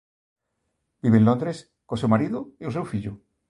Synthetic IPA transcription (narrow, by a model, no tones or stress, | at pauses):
biβenlond̪ɾes | kosewmaɾiðoiosewfiʎu